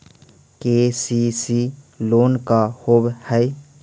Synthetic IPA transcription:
kesisi | loːnkahobhəj

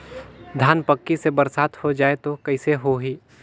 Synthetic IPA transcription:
d̪ʱaːnpəkːisebəɾsaːt̪hod͡ʒaːet̪okɐɪseɦoɦiː

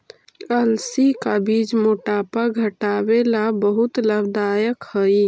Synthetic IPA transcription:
əlsikabid͡ʒmoʈapəɾɡʱəʈabelabəɦut̪ləbd̪ajəkhəj

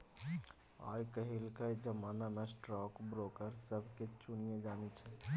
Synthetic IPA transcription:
a̰jkəɦilkəjd͡ʒəmanamesʈɾɔkbɾokəɾsəbʱket͡ʃunjed͡ʒanit͡ʃʰɛ

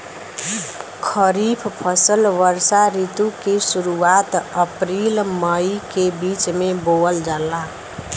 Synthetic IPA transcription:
kʰəɾipʰpʰəsəlʋəɾsaɾit̪ukesuɾuat̪əpɾilməjkebit͡ʃmeboəld͡ʒalːa

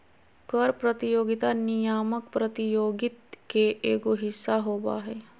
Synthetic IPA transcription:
kəɾpɾət̪ijoːɡit̪anijaːmək̚pɾət̪ijoːɡɪt̪keʔeːɡoɦɪsːaɦoːba̰ːɦe

